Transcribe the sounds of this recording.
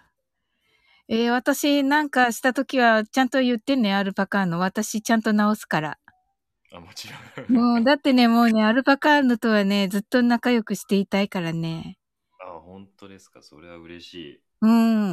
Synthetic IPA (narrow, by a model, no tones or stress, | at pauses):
e̞βat̪aɕinãŋkaɕi̥t̪at̪o̞kʲiβat͡ɕãnt̪o̞jɯt̪ːe̞ne̞aɾɯ̟pakaːno̞β̞at̪aɕit͡ɕãnt̪o̞nao̞sɨ̥kaɾa̰ | amot͡ɕiɾõɯ̟̃ːɴd̪at̪ːe̞ne̞mo̞ːne̞aɾɯ̟pakaːno̞t̪o̞βane̞d͡zɨt̪ːo̞nakajo̞kɯ̟ɕi̥t̪e̞it̪aikaɾane̞ | ahõ̞nt̪o̞d̪esɨ̥kaso̰ɾe̞βa̰ɯ̟ɾe̞̰ɕḭː | ɯ̟̃